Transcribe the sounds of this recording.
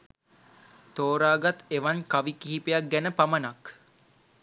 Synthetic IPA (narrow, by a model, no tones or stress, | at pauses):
t̪oːɾaːɡat̪eʋankaʋikiɦipejak̚ɡænəpamənak